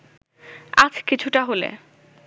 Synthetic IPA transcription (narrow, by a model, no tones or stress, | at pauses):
ad͡ʑkit͡ɕʰuʈaɦolḛ